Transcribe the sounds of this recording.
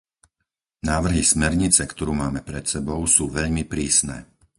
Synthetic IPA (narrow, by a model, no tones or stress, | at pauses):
naːʋr̩ɦismɛɾɲit͡sɛkt̪ɔɾuːmaːmɛpɾɛt̪sɛbɔʊsuːʋɛʎmipɾiːsnɛ̰ː